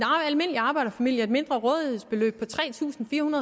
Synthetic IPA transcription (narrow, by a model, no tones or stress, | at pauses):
enælme̝n̰əliɑ̈ːb̥ɑ̈ɪ̰ɾɐfæmil̰jəɐed̥me̝nd̥ʁɐʁɔ̽ːðˠheð̰ˠsb̥e̝lø̰ːb̥̚pʰɒ̽t͡sʰʁɛ̰ːt͡sʰṵːsn̩fiːɐhunɐðˠ